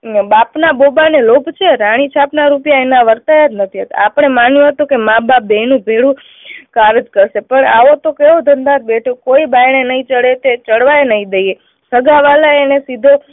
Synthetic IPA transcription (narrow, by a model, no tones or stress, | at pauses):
bapnabobanelobʱt͡ʃʰeɾaɽ̃it͡ʃʰapnaɾupjaenaʋəɾt̪ajət̪nət̪ʰiɦət̪apəɳ̃emanjũɦət̪ũkemãbabenũbʱeɭũ | kaɾɪd͡ʒkəɾʃepəɳa̰ʋot̪okeʋod̪ʱənd̪ãt̪̚beʈʰokoibajɳ̃enəĩt͡ʃəɽet̪et͡ʃəɽʋaenəĩd̪eje | səɡaʋalaenesid̪ʱo